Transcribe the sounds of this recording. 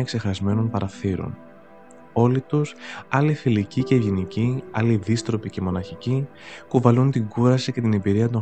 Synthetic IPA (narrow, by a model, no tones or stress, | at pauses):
ekse̞xɐzme̞no̞npɐɾɐθiɾo̞̰n | o̞lit̪usɐlifilicice̞ʝiniciɐliðist̪ɾo̞pice̞mo̞nɐçici | puvɐlunt̪iŋɡuɾɐsice̞t̪ine̞biɾiɐt̪o̞